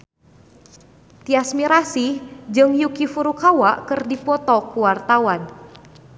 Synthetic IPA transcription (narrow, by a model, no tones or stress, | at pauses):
t̪iasmiɾasid͡ʒɨŋjukifuɾukawaʔkɨrdipɔt̪ɔkuwart̪awan